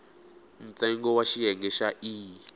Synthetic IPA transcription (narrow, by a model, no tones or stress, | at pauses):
n̩t͡sɛŋɡɔwaʃiɦɛŋɡɛʃaʔiː